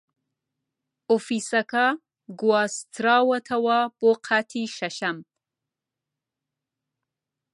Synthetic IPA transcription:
ʊfisaka | ɡuwɑst̪ɾɑwat̪ʰawɑboqʰat̪ʰiʃaʃam

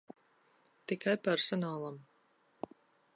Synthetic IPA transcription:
t̪ikajpɛɾsɔnaːlˠam

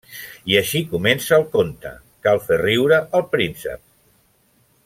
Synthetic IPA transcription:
iəʃikumensəːlˠkont̪ə̰ | kalˠferiwɾəʔəlˠpɾinsə̰p̚

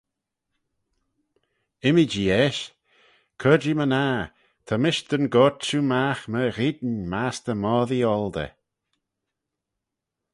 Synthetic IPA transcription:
ɪmid͡ʒiɛʃ | kʰɔd͡ʒimənaː | t̪ʰamɪʃd̪̥ənɡɔt͡ʃumaxməɾid̪nmasd̪əmɔːðiɔld̪ə̰

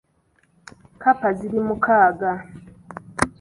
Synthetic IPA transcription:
kapaziɾimukaːɡa

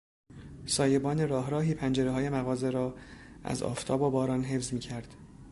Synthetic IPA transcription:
sɒːje̞bɒːne̞ɾɒːɦɾɒːɦiːpʰænd͡ʒe̞ɾeɦɒːje̞mæɣɒːze̞ɾɒːʔæ̰zɒ̰ːft̪ʰɒːbobɒːɾɒːnɦe̞fzmiːcʰæɾd̪̥

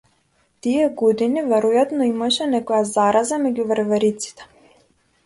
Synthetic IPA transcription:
t̪iɛɡɔd̪inivɛɾɔjat̪nɔimaʃɛnɛkɔjazaɾazamɛɟuvəɾvɛɾit̪si̥t̪ɛ̥

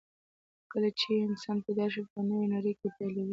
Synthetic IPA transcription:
kəlat͡ʃeɪnsɑnpajd̪ɑʃ̬ipənəwenaɾəjkepalawi

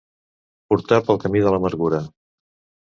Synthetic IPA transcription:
puɾt̪apəlˠkəmiðələməɾɣuɾə

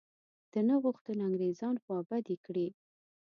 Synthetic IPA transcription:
d̪̥ənaɣuxt̪ənaŋɡɾezɑnxwɑbad̪ikɽi

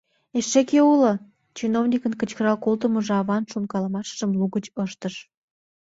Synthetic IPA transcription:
eʃːekeulə | t͡ɕinovnʲikənkət͡ɕkəɾɑlkolt̪əməʒeɑβɑnʃunkɑlɑmɑʃʒə̆mluɣət͡ɕəʃt̪əʃ

